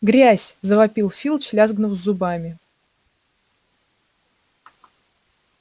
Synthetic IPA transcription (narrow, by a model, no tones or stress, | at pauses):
ɡɾʲæsʲzəvɐpʲilˠfʲilˠt͡ɕlʲazɡnəvzzːʊbamʲɪ